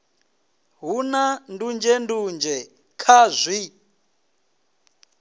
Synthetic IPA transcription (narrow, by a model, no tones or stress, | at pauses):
ɦunandund͡ʒɛndund͡ʒɛ | kʰazʷi